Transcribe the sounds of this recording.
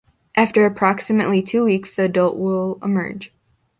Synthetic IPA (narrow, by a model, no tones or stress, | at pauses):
ʔæftə˞ɨpʰɹ̥ɑksɨmɨʔlitʰʉwiksðiɨdʌlˠʔwɪlˠəmɜ̰˞d̥ʒ̥